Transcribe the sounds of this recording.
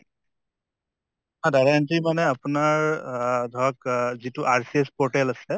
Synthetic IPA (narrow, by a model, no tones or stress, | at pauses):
ɦãdaɹantimanɛapunaɹdʱɔakzituʔaɹsiespɔɹʈɛlasɛ